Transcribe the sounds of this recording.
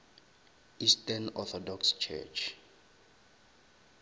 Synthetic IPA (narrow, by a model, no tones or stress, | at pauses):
istanɔθʰɔdɔkst͡ʃʰɛ̰t͡ʃʰ